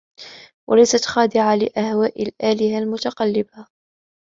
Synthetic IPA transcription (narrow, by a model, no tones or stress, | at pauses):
wʔa̰lajsat̪xɑːd̪ɪʕalɪ̰ʔahwaːʔɪlʔaːlɪhalmʊt̪aqɑlːɪba